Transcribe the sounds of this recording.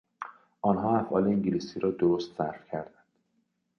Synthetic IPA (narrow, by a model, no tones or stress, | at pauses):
ʔɒːnɦɒːæfʔɒːleiŋɟiliːsiːɾɒːd̪oɾost̪sæɾfcʰæɾd̪ænd̪̥